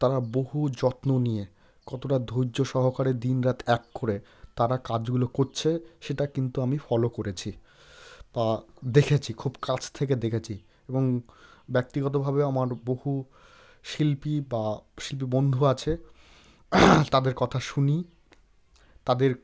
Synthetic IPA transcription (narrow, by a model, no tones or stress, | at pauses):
t̪aɾaboɦud͡ʑɔt̪nonije | kɔt̪oʈad̪ʱojːoʃɔɦokaɾed̪inɾat̪ʰɛkːoɾe | t̪aɾakad͡ʑɡulokoɾt͡ɕʰeʃeʈakint̪uamifɔlokoɾet͡ɕʰi | bad̪ekʰet͡ɕʰikʰubkat͡ɕʰt̪ʰek̬ed̪ekʰet͡ɕʰi | eboŋbɛk̚t̪iɡɔt̪̬obʱabeamaɾbohu | ʃilpibaʃilp̬ibond̪ʱuat͡ɕʰe | t̪ad̪eɾkɔt̪ʰaʃuni | t̪ad̪eɾ